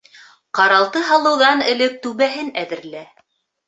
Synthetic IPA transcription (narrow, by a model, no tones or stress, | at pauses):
qɑɾɑlˠt̪ɤɦɑlˠɤ̆wðɑnɘ̆lɘk̚t̪ʉβæɦɘnæðɘ̆ɾlæ